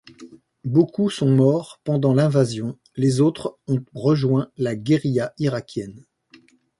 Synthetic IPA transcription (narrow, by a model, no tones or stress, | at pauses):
bokusɔ̃mɔʁpɑ̃d̪ɑ̃lɛ̃vazjɔ̃ | lezot̪χɔ̃ʁəʒwɛ̃laɡʲeʁijaiʁakʲʰjɛn